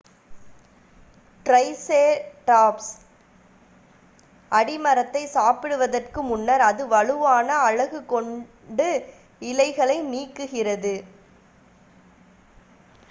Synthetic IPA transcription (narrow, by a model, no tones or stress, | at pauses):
ʈrɐɪseːʈaːps | ʔɐɽɪmɐɾɐt̪ːɐɪsaːpɪɽɯʋɐðɐrkɯmʊnːɐɾɐðɯʋɐɻɯʋaːnɐːɻɐɣɯkːɔɳ | ɖɯ | ɪlɐɪɣɐɭɐɪniːkːɯɣɪrɐðɯ